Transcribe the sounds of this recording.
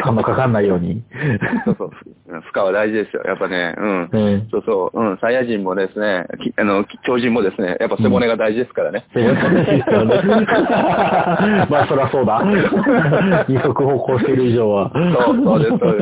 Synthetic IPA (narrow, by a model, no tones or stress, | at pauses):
tʰãnːokakãnːaijo̞ːɲ̟isoːsoɯ̃ɸɯ̥kaβad̪aiʑid̪e̞sɨjo̰jʔa̰pːane̞̰ɯ̃ɴɯ̟̃so̞ːsoːɯ̃ɴsaijaʑĩmmo̞d̪e̞sɨne̞kʲianokʲo̞ːʑĩmːo̞d̪e̞sɨnḛjapːase̞mone̞ɡad̪aiʑid̪e̞sɨ̥kaɾanese̞mo̞neɡad̪aiʑid̪esjone | maːsoɾeaso̞ːd̪a | ɲiso̞kɯ̟ho̞ːko̞ːɕi̥t̪e̞ɾɯ̟iʑo̞ːβasoːoːes